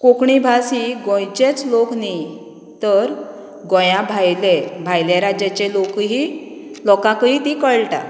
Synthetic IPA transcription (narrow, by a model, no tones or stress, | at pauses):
kokɳibʱasiɡɔ̃jt͡ɕet͡slokni | t̪əɾ | ɡɔ̃jãbʱajlebʱajljaɾad͡ʑat͡ɕelokɦi | lɔkãkəit̪ikəɭʈa̰